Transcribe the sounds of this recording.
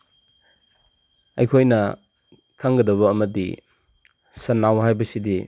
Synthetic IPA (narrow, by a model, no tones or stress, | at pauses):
ɐjkʰojnɐ | kʰaŋɡɐdɐβɐːmɐdi | sɐnawhajbɐsidi